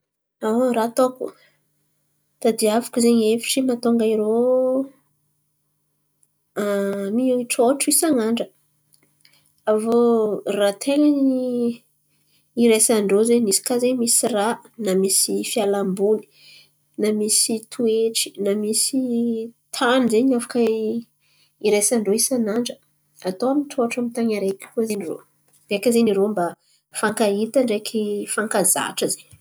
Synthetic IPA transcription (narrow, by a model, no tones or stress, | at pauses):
aɾat̪okṵ | dt̪ad̪iavḁkuzeɲefi̥ʈ͡ʂimat̪oŋɡaiɾo | amioiʈ͡ʂoʈ͡ʂuisaŋaɳɖ͡ʐə | avorat̪ʰelani | iɾesaɳɖ͡ʐozeɲnisi̥kazeɲmisiranamisifialambuni̥ | namisit̪ʰueʈ͡ʂi̥namisit̪ʰanzeɲafḁka | iɾesaɳɖ͡ʐoisanaɳɖ͡ʐə | at̪oamit̪ʰoaʈ͡ʂamit̪aŋaɾeki̥kuzeniro̰ | b̥eakazeniɾomba | faŋkait̪aɳɖ͡ʐekʰifaŋkaza̰ʈ͡ʂəzeɲ